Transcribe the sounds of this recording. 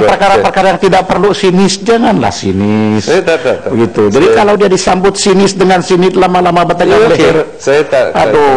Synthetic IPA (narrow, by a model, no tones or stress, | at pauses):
ŋpərkaɾapərkaɾajaŋt̪idaʔ̚pərlusinɪsd͡ʒaŋanla̰hsḭnɪsbəɡit̪ud͡ʒadikalawdiadisambʊt̪̚sinɪsdəŋansinɪt̪lamalamabət̪əɡalər | at̪o